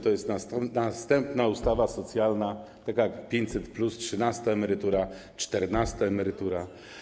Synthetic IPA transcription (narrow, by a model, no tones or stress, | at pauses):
t̪ɔjɛst̪nanast̪ɛmpnaust̪avasɔt̪sʲjalnat̪akajakpʲjeɲtʲsɛt̪plustʂɘnast̪aɛmɛɾɘt̪uɾa | t͡ʂt̪ɛɾnast̪aɛmɛɾɘt̪uɾa